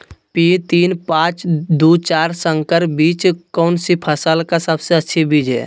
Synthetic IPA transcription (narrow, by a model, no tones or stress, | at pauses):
pit̪iːnpãːt͡ʃd̪ut͡ʃaːɾsə̃ŋkəɾbiːt͡ʃkɔːnsipʰəsəlkasəbseətːʃʰibiːd͡ʒɦɛ̰ː